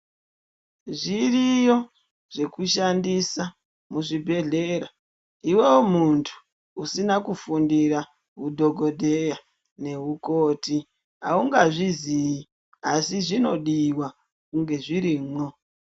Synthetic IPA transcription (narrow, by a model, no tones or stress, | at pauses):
ʐirijo̞ | ʐ̥e̞kuʃandisa | muʐibʱe̞ɮe̞ɾa | iwe̞womuntʰu̥ | usinakufundiɾa | ɦudʱo̞ɡʱo̞dʱeja | ne̞ɦuko̞ːti | a̰uŋɡaʐizii | asiʐino̞ɗiwa | kuŋɡe̞ʐiɾiːmwo